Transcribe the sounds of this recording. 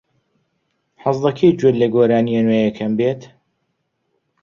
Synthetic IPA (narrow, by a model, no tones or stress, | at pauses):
ħɑzˤlɐkʰejd͡ʒwed̪lɐɡoːɾaːniɐnweːjɐkʰɐmbeːt̪